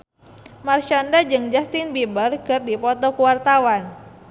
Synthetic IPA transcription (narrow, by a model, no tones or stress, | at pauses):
marʃandad͡ʒɨŋd͡ʒast̪ɪnbibərkɨrdipɔt̪ɔkuwart̪awan